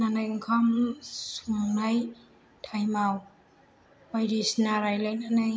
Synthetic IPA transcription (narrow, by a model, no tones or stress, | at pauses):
nanajŋkʰamsuŋnaj | tʰajmaw | bajɾisnaɾajlajnanaj